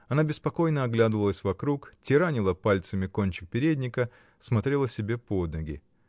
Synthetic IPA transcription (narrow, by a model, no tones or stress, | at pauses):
ɐnabʲɪspɐko̞jnəɐɡlʲad̪ɨvəlˠəsʲvɐkɾuktʲɪɾanʲɪlˠəpalʲt̪səmʲɪkonʲt͡ɕɪ̥k̚pʲɪɾʲedʲnʲɪkə | smɐt̪ɾʲe̞lˠəsʲɪbʲe̞pod̪nəɡʲɪ̰